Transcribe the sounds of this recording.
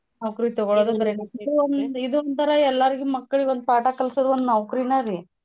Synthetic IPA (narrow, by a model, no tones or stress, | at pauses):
nɐʋɐkɐɾit̪ɔɡoɭoːd̪ubɐɾeid̪uond̪id̪uond̪t̪ɐɾɐɛlːaːɾiɡimɐkːɐɭiond̪upaːʈakɐlɐsiɾuond̪nɐʋkɾinaɾi